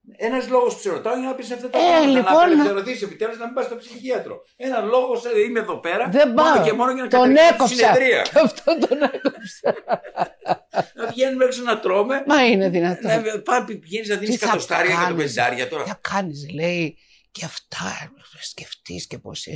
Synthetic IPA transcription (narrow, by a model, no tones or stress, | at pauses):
enɐzlo̞ɣospseɾot̪ɐoeenɐpiseft̪ɐt̪elinpo̞neɾoθisiepit̪eluznɐmĩmbɐst̪opsiçiɐt̪ɾo̞̰ | enɐzloɣosimeðo̞peɾɐðe̞bɐemo̞nojɐnɐkt̪o̞nekopsseɐðɾiɐ̰ɐft̪ot̪onekopsɐ | nɐʝenumeksenɐt̪ɾo̞memɐine̞ðinɐt̪opɐpipʝeniznɐðiniskɐtɐost̪ɐɾʝɐkɐoneszɐɾʝɐt̪oɾɐ̰ɐkʰɐnisle̞i | ceɐft̪ʰɐsce̞ft̪ḭsceposḭ